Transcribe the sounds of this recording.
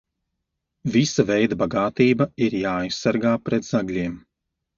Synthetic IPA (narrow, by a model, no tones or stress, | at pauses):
visavɛjd̪abaɡaːt̪iːbɐiɾjaːajsːaɾɡaːpɾɛt̪z̥aɡlʲiɛm